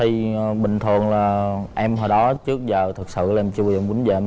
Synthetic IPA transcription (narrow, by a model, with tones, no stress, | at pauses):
t̪ʰi˨˩˨ɓï˨˩ŋ̟t̪ʰɨ˨˩ənlaː˨˩ʔɛ˧mɦaː˨˩ɗɔ˨˦t͡ɕɨ˦˥ək̚zəː˨˩t̪ʰɨ˨˩k̚sɨ̰˧˨la˨ɛ˧mt͡ɕɨ˧zə˨˧˩mu˨˦nzəː˨˩˧